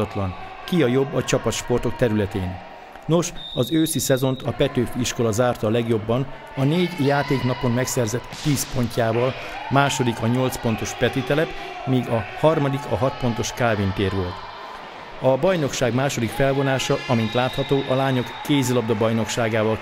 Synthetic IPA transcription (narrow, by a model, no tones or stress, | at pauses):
ɒt̪lɒn | kiɒjo̞bːɒt͡ʃɒpɒt̪ʃpo̞rt̪o̞kt̪ɛɾylɛt̪eːn | no̞ʃɒzøːsisɛzo̞nt̪ɒpɛt̪øːfiʃko̞lɒzaːrt̪ɒlɛɡjo̞bːɒn | ɒneːɟjaːt̪eːknɒpo̞nmɛksɛrzɛt̪ːiːspo̞ɲcaːvɒl | maːʃo̞d̪ikɒɲo̞lt̪spo̞nt̪o̞ʃpɛt̪it̪ɛlɛt̪ | miːɡɒhɒrmɒd̪ikɒɦɒt̪po̞nt̪o̞ʃkaːvint̪eːrʋo̞lt̪ | ɒbɒjno̞kʃaːɡmaːʃo̞d̪ikfɛlvo̞naːʃɒɒmint̪laːt̪hɒt̪oːʔɒlaːɲo̞kːeːzilɒbd̪ɒbɒjno̞kʃaːɡaːvɒl